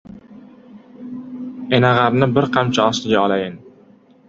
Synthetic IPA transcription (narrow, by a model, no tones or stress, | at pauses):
e̞naʁaɾnɪbɪɾqʰɑmt͡ʃʰaɒslɪɡʲaɒlajɪn